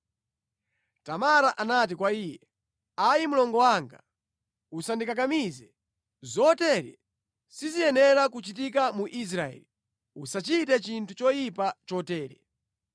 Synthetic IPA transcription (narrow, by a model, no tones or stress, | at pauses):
tamaɾaʔanat̬ikwaiːjɛ | ajimulɔŋɡɔwaŋɡa̰ | usandikakamizɛ | zɔtɛɾɛ̰ | sizijɛnɛɾakut͡ʃit̬ikamuʔis̬ɾaɛ̰li | usat͡ʃitɛt͡ʃintʰut͡ʃɔjipat͡ʃɔtɛːɾɛ̰